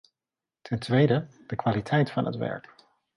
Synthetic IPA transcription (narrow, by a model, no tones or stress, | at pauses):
tʰɛntʋejdəd̥əkʋaːlitʰɛjtfɑnɦə̰tʋɛ̰ɹk